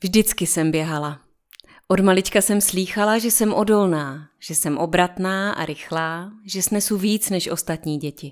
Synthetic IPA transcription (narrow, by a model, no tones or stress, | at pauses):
vʒdɪt͡skɪsɛmbjɛɦala | ʔodmalɪt͡ʃkasɛmsliːxalaʒɛsɛmʔo̞do̞lnaːʒ̥ɛsɛmʔo̞bɾat̪naːʔa̰ɾɪxlaːʒɛsnɛsuviːt͡snɛʃʔo̞st̪at̪ɲiːɟɛcɪ